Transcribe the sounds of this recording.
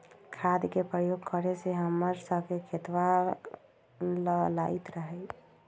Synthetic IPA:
kʰad̪kepɾəjoɡkəɾeseɦəmːəɾsəbkekʰet̪wa | ləlait̪ɾəɦɛɪ

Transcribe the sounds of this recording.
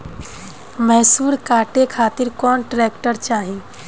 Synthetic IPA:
mɛɦsuːɾkaːʈekʰaːt̪iɾkɔnʈɾekʈəɾt͡ʃaːɦĩ

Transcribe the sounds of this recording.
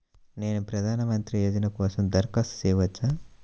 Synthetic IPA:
neːnupɾɐd̪ʱaːnɐmɐnt̪ɾieːd̪inɐkɔːsɐmd̪ɐɾkɐssɛːʋɐt͡ʃːɐ

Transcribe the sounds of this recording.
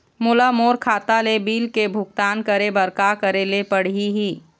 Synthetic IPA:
mʊlamoːɾkʰaːt̪alebiːlkebʱʊɡ̚t̪aːnkəɾebəɾkakəɾelepəɽ̤iɦiː

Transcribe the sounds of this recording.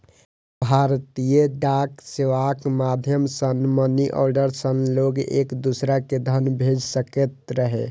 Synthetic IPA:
bʱaɾt̪ijəɖakseʋakmad̪ʱjəmsənməniʔɔ̰ɾɖəɾsənloɡḛkd̪usɾaked̪ʱənbʱed͡ʒsəket̪ɾəɦe

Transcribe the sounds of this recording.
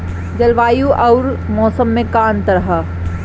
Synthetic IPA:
d͡ʒɐlʋaːjuʔɔʊɾmɔːsəmːẽkaːnt̪ɐɾɦa

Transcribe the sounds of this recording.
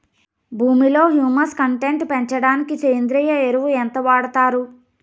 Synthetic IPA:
bʱuːmilo̞ːɦjuːmɐskɐɳʈe̞ɳʈpeɲt͡ʃɐɽaːnikit͡ʃeːnd̪ɾijɐeɾuʋuɛnt̪ɐʋaːɽɐt̪aːɾu

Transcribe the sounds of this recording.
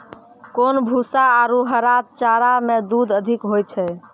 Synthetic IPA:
konbʱusaːɾuɦəɾat̪̚t͡ʃaɾamed̪ud̪əd̪ʱikɦojt͡ʃʰɛ

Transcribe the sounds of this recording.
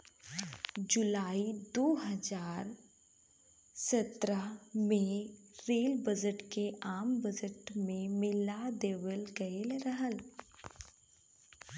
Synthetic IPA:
d͡ʒʊlaːid̪oːɦɐd͡ʒaːɾ | sət̪ɾəmẽɾeːlbəd͡ʒəʈkeʔaːmbəd͡ʒəʈmẽmɪlad̪eːʋəlɡɐelɾɐɦəl

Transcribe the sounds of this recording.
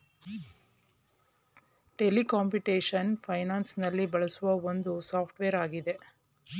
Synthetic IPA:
ʈelikaːmpiʈeːʂɐnpʰɐjnaːnsnɐlːibɐɭɐsuʋɐond̪usaːpʰʈʋeːɾaːɡid̪e̞

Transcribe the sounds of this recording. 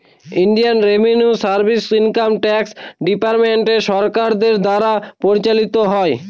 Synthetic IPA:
iɳɖijanɾebʱenjusaɾbʱisinkamʈɛksɖipaɾmeɳʈeʃɔɾkaɾd̪eɾd̪aɾapoɾit͡ɕalit̪oɦɔe

